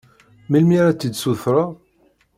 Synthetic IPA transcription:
milmiɾat͡s̪ːid̪suθɾˤəʁ

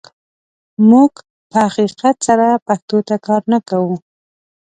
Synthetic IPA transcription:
muɡ | pəhaqiqat̪saɾapaht̪ot̪akɑɾnakawu

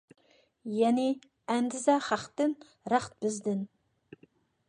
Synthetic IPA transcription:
jɛnɪ | ænd̪ɪzɑχɑqt̪ɨn | ɾɑχt̪̚bɪzd̪ɪn

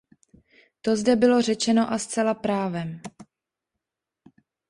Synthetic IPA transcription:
t̪o̞zdɛbɪlo̞rɛt͡ʃɛno̞ʔast͡sɛlapɾaːvɛm

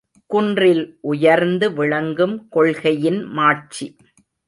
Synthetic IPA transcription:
kʊndrɪlʔʊjɐɾnd̪ɯʋɪɻɐŋɡɯmkɔɭɣɐjɪnmaːʈ̚t͡ʃi

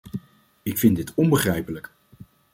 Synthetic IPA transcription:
ɪkfɪndɪtɔnbəχrɛjpələk

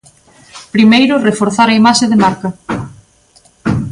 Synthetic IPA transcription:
pɾimejɾʊrefoɾθaɾɐimaʃeðɪmaɾkɐ

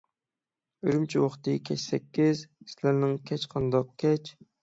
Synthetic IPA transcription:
yɾymt͡ʃʰiwɑχt̪ɨkʲʰɛt͡ʃsɛkʲːizslæɾnɪŋkʲʰɛt͡ʃqʰɑnd̪ɑq̚kʲʰɛt͡ʃʰ

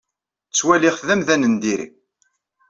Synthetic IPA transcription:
t͡sːwæliʁθðæmðænənd̪iɾḭ

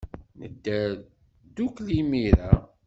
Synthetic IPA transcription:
nə̰d̪ːæ | d̪uklimiɾa

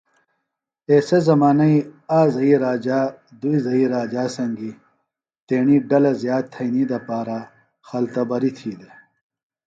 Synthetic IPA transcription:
eːsezɐmaːnɐiaːzɐiɾaːd͡ʑaː | d̪uizɐɦiːɾaːd͡ʑaːsɐŋɡi | t̪eːɳiːɖɐlɐzjaːd̪̚t̪ʰɐnid̪ɐpaːɾa | xɐlt̪ɐbɐɾit̪ʰiːd̪e

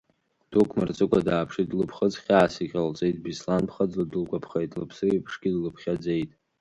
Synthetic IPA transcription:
d̥ukʷʰmɨ̰rt͡sʼɨkʷʼadaːpʰʂidlɨpʰχət͡sχʲaːsiqʲʼalt͡sʼejtʼbislanpʰχəd͡zlɨdɨlkʷʼapʰχejtʼlɨpʰsɨijpʰʂɡʲɪdlɨpʰχʲad͡ze̞jtʼ

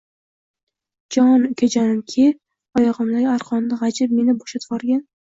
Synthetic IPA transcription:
d͡ʒɒnʊkʲʰad͡ʒanɪmkʲʰe | ɒjɒʁɨmlaɡʲaɾqʰɒnd̪aʁad͡ʒɪp̚me̞nɪboʃat̪ʰbɒɾɡʲan

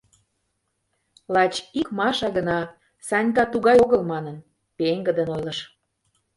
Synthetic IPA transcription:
lɑt͡ɕikmɑʃɑɣənɑ | sɑnʲk̬ɑt̪uɣɑjoɣəlmɑnən | peŋɡə̆d̪ənojləʃ

